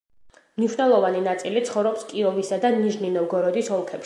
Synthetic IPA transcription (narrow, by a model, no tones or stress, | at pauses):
mniʃwnɛlˠɔvaninat̪sʼilit̪sʰχɔvɾɔpskʼiɔvisad̪aniʒninɔɡɔɾɔd̪isɔlˠkʰɛpʃ